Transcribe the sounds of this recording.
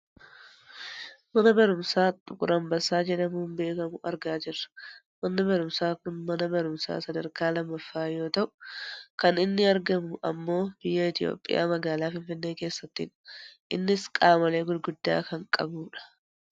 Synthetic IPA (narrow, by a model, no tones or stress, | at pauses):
mɐnɐbɐɾʊmsaːt̪ʼːʊkʼʊɾɐmbɐsaːd͡ʒɛᶑɐmuːmbe̞ːkɐmʊʔɐɾɡaːd͡ʒɪrːɐ̥ | mɐnːɪbɐɾʊmsaːkʊnmɐnɐbɐɾʊmsa̰ːsɐd̪ɐɾkaːlɐmːɐfːaːjo̞ːt̪ɐʔʊ̥kɐnɪnːɪɐɾɡɐmʊʔɐ̰mːo̞ːb̥ɪjːɐɪt̪ɪjo̰ːpʼːɪ̰ja̰ːmɐɡaːlaːfɪnfɪnːe̞ːke̞ːsːɐt̪ːḭːᶑɐ̥ʔɪnːɪskʼaːmɐle̞ːɡʊlɡʊd̪ːa̰ːkɐŋkʼɐ̰buːᶑɐ̥